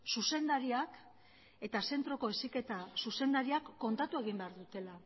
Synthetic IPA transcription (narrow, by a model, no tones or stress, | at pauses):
suse̞nd̪aɾiak | e̞t̪ase̞nt̪ɾo̞ko̞esike̞t̪asuse̞nd̪aɾiakːo̞nt̪at̪ue̞ɣ̞imbe̞aɾðut̪e̞la